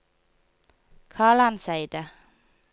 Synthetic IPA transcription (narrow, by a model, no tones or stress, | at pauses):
kʰɑːɭɑnsæɪd̪ə